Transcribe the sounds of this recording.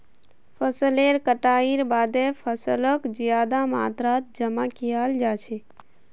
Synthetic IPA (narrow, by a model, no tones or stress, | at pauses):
pʰəsəleːɾkəʈaːiɾbaːd̪epʰəsələkd͡ʒijaːd̪ama̰ːt̪ɾaːt̪̚d͡ʒəmakijaːld͡ʒaːt͡ʃʰe